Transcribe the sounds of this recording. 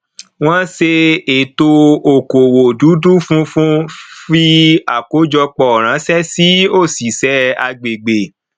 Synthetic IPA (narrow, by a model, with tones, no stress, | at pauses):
w̃ɔ̃˦se˧e˨to˧o˨ko˨wo˨du˨˦du˦fũ˦fũ˦fi˧a̰˨ko˨˦d͡ʒɔ˧k͡pɔ˧˨ɾ̃ã˨˦sɛ˦si˨˦o˦˨si˨sɛ˨˦a˧ɡ͡be˨ɡ͡be˨